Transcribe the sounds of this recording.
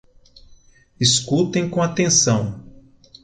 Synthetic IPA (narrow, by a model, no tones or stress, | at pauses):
iskut̪ẽj̃kõat̪ẽsɐ̃w̃